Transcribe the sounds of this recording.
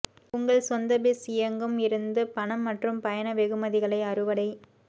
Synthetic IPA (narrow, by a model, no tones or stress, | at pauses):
ʊŋɡɐɭsɐnd̪ɐbɪsɪjɐŋɡɯmɪɾɯnd̪ɯpɐɳɐmːɐʈrɯmpɐjɐnɐʋɛɣɯmɐðɪɣɐɭɐɪɐrɯʋɐɽɐɪ